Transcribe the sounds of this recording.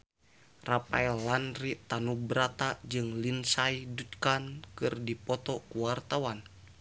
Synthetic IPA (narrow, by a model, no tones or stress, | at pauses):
rapa̰ɛlːanrit̪anubɾat̪ad͡ʒɨŋlinsajdut̪kankɨrdipɔt̪ɔkuwart̪awan